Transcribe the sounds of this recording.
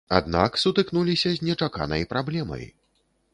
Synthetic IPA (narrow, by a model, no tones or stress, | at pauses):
a̰d̪na̰ksut̪ɨknulʲisʲɐzʲnʲɛt͡ʂaka̰nɐ̰jpɾablʲɛmɐ̰j